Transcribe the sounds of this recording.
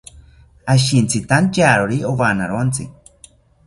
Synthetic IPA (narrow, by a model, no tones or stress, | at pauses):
aʃint͡sit̪ant͡ʃaɾoɾioβana̰ɾont͡sḭ